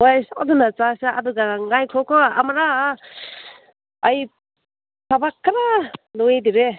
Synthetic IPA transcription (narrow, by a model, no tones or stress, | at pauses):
wajsɔdunat͡ʃasaadɯɡaŋajkʰɔkʰɔa̰maɾa | aj | sʰabakʰːaɾanɔediɾe